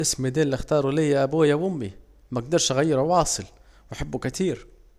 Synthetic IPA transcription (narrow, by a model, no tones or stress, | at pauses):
ʔɪsmid̪iːlːixt̪ɑːɾˤulɪjæʔæbuːjawʊmːi | mæɡ̚d̪ɑɾˤʃʔaɣæjːɪɾuwɑːsˤɨl | waħabːukæt̪ʰiːɾ